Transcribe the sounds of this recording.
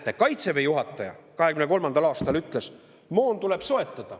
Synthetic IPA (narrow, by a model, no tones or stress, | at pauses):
t̪ːˑekɑjt̪se̞vejuɦɑt̪ˑːɑjɑ̰kɑɦe̞kymne̞ko̞lmɑnd̪̥ɑlɑːst̪ɑlyt̪ˑle̞s | moːnt̪ule̞b̥so̞e̞t̪ːˑɑd̪̥ɑ